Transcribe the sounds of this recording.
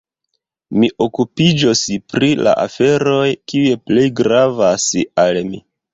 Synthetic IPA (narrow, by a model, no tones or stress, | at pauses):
miʔo̞kupid͡ʒospɾila̰ʔa̰fe̞ɾo̞jkiujeple̞jɡɾavasalmḭ